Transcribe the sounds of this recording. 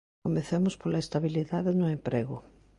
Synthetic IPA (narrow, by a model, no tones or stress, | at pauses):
omeθemʊspolaest̪aβiliðaðenʊempɾeɣʊ